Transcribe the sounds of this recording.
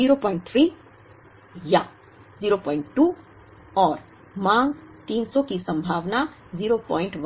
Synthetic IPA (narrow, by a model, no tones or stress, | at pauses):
iɾopɔɪ̃ɳʈ̚t̪ʰɾiː | ja | ziːɾopɔːɪɳʈːu | ɔːɾ | mãŋɡt̪iːnsɔkisə̃mbʱaːʋna | ziːɾopɔːɪ̃ɳʈʋ